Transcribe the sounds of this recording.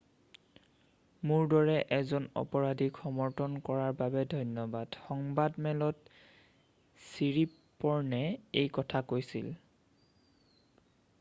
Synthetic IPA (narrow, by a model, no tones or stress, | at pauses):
muɹdɔɹɛʔɛzɔnɔ̰pɔɹadʱikʰɔmɔɹtʰɔnkɔɹaɹbabɛdʱɔjnjɔbad̥xɔŋbadmɛlɔt | siɹi | pɔɹnɛejkɔtʰakojsḭl